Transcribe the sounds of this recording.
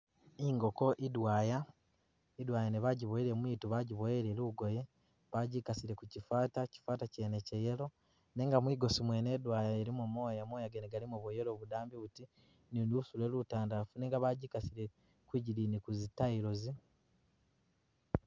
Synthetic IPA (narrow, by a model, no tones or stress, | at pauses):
iŋɡo̞ko̞ʔidwaːja | idwaːjaneβaɟiβoeɾe̞mwiːtuβaɟiβoeɾeluɡoje | βaɟikasiɾe̞kucifaːtaci̥faːtacenecejelo̞ | ne̞ːŋɡamwiːɡo̞simwene̞ːdwaːjaeɾimumo̞ːjamoːjaɡeneɡalimoβojelo̞βudaːmbiβuti | ninuusule̞lutaːndafuneːŋɡaβaɟiːkasiɾe̞ | kwiɟiliːnikuzitaiɾo̞zi